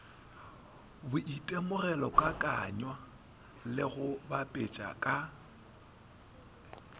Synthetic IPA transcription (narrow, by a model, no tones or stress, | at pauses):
bʊʔitʼemʊrɛlɔkʼakʼa̰ɲwa | lɪɣʊbapʼet͡ʃʼa̰kʼa